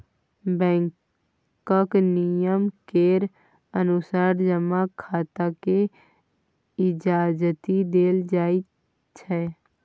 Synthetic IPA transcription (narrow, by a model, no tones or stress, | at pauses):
bɛ̃ːŋk | kəknijəmkeːɾ | ənʊsaːɾd͡ʒəmakʰaːt̪ake | ɪd͡ʒaːd͡ʒət̪id̪eːld͡ʒaːi | t͡ʃʰɛ